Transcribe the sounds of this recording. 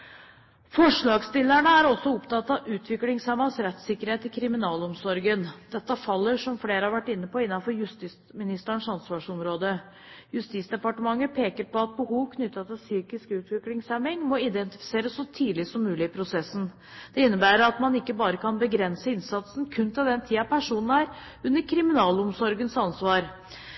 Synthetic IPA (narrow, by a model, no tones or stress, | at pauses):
fɔʂɭɑːɡst̪ɪlːæɳəæɾɔsːɔʊpt̪ʰɑt̪ːɑʔʉːt̪ʰʋɪklɪŋsæmɑsɾɛt̪sɪkːəɾheːt̪ɪkʰɾɪmɪnɑːlɔmsɔɾɡənd̪̥ɛt̪ːɑfɑlːəʂɔmfleːɾəhɑɾʋæʈːɪnːəpɔɪnːɑnfɔɾjʉst̪ɪsmɪnɪst̪əɳʂɑnsʋɑʂɔmɾoːd̪ə | jʉst̪iːt̪sd̪ɛpɑʈəmɑŋːəpʰeːkəɾpɔɑt̪̚bəhuːʋkʰnʏt̪ːɑt̪ʰɪlsyːkɪskʉːt̪ʋɪklɪŋsɛmɪŋmɔɪd̪ɛnt̪ɪfɪ̥seːɾəsːɔt̪ʰiːlɪsɔmːʉːlɪɪpʰɾʊsɛsːn̩ | d̪̥ɛɪnːəbæːɾəɑt̪mɑnɪkːəbɑːɾəkʰɑnbəɡɾɛnsəɪnsɑt̪sn̩kʰʉnt̪ʰɪld̪ɛnt̪ʰiːɑpʰæʂuːnən̩æɾ | ʉnːəɾkʰɾɪmɪnɑːlɔmsɔɾɡənsɑnsʋɑːɾ